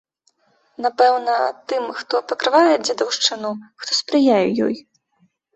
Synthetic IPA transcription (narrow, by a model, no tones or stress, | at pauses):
napɛwnɐt̪ɨmxt̪ɔpɐkɾɨvajɛd͡zʲad̪ɐwʂt͡ʂɨnuxt̪ɔspɾɨjajɛjɔ̰j